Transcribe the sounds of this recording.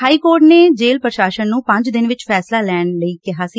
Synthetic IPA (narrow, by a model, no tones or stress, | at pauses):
ɦaːiːkoːɾʈneːd͡ʒeːlpɾəʃaːʃənːũːpə̃ɲd͡ʒd̪ɪnʋɪt͡ʃpʰɛːslaːlɛːɳləiːkɪɦaːsiː